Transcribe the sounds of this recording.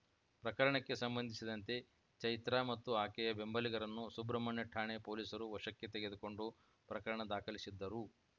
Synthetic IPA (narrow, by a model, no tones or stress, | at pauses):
pɾɐkɐɭɐɳɐkːe̞sɐmbɐnd̪ʱisid̪ɐnt̪e̞ | t͡ʃɐjt̪ɾamɐt̪ːuaːkɛjɐbe̞mbɐliɡɐɾɐnːusubɾɐmɐɳjɐʈʰːaːɳepoːliːsɐɾuʋɐʂɐkːet̪eɡe̞d̪uko̞ɳɖu | pɾɐkɐɭɐɳɐd̪aːkʰɐlisid̪ːɐɾu